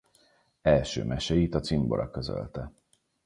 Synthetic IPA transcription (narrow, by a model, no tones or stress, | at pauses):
ɛlʃø̰ːmʔɛʃɛit̪ɒt̪simbo̞ɾʔɒkø̞zø̰lt̪ɛ